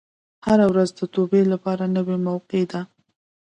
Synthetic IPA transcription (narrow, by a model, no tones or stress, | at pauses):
haɾawɾazd̪ət̪obelapɑɾanəwemawqed̪a